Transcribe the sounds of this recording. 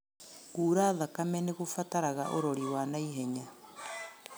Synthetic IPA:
kuːɾaːðakamɛneɣofataɾaɣaʔoɾoɾiwanaiɦɛɲa

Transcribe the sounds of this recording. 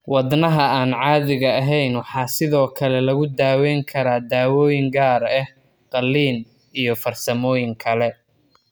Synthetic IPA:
wɑdnɐɦɐaːnʕɑːðɪɣɐɐɦɛjnwɑħɑːsɪðɔːkʰɐlɛlɐɣʊd̪aːwɛŋkʰɐɾaːd̪aːwɔːjɪŋɡaːɾɛ | qɑlːiːn | ijɞfɐrsɐmɔːjɪŋkʰɐlɛ

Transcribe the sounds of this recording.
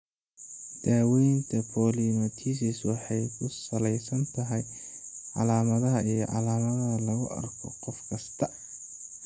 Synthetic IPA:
d̪̥aːwɛjnt̪ʰɐpʰɔːlimɐt̪ʰiːsɪswɑħɑjkʰʊsɐlɛjsɐnt̪ʰɐɦɛjʕɑ̰laːmɐðɐɦɐʔijɞ̰ʕɑ̰laːmɐðɐɐlɐɣʊʔɐ̰rkʰɔ̰qɔfkʰɐst̪ʰɐ

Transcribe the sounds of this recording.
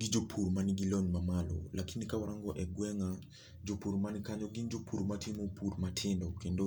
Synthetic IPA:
ɡid͡ʒopʰuɾmaniɡilɔnmamalɔ̰lʔakinikawɾaŋɡɔʔɛɡwɛŋa | d͡ʒopuɾmanikaɲɔɡind͡ʒopʰuɾmatʰɪmopʰuɾmatʰɪndɔkendo

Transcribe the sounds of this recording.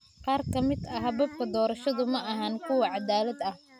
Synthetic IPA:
qɑːrkʰɐmɪd̪ɐɦɐβɐb̚kʰɐd̪ɔːɾɐʃɐðʊmɐʔɐɦaːnkʰʊwɑʕɑd̪aːlɐd̪ɐh

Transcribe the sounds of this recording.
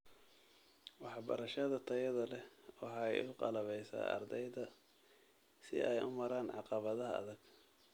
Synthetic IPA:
wɑħbɐ̰ɾɐʃɐðɐt̪ʰɐjɐðɐlɛwɑħɑɛ̰jʊqɑ̰lɐβɛjsa̰ːɐ̰rd̪ɛjðɐ | sɪ̰ʔɛjʔʊ̰mɐɾaːnʕɑqɑβɐðɐɦɐɐ̰ðɐɡ̥

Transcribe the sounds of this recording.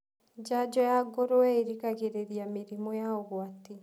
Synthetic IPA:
d͡ʒad͡ʒɔjaɡoɾoɛiɾikaɣeɾeɾijamiɾimɔjaɔɣwati

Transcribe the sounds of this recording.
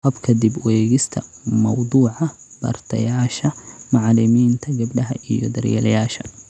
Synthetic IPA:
hɐbkʰɐd̪ibwɛːɣɪst̪ʰɐmɐwd̪uːʕɑ | bɐ̰rt̪ʰɐ̰jaːʃɐmɑʕlɪmiːnt̪ʰɐɡɐbɖɐɦɐʔijɔ̰d̪ɐrjɛ̰lɐjaːʃɐ̥

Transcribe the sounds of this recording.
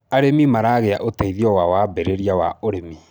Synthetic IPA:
aɾemimaɾaɣeaʔotaiðiɔwawabɛɾeɾiawaoɾemi

